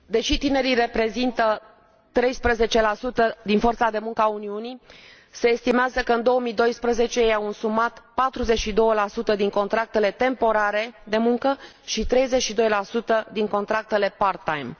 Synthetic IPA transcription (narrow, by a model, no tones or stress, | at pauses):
d̪e̞ʃit̪ine̞ɾire̞pɾe̞zint̪ə | t̪ɾe̞jspɾəze̞t͡ʃe̞lasut̪əd̪info̞rt̪sad̪e̞muŋkəauniuni | se̞ːst̪imeazəkəɨnd̪o̞əmijd̪o̞jspɾəze̞t͡ʃe̞jjawunsumat̪pat̪ɾuze̞t͡ʃʃid̪o̞wəlasut̪əd̪iŋko̞nt̪ɾak̚t̪e̞le̞t̪e̞mpo̞ɾaɾe̞d̪e̞muŋkə | ʃit̪ɾe̞jze̞t͡ʃʃid̪o̞jlasut̪əd̪iŋko̞nt̪ɾak̚t̪e̞le̞part̪ajm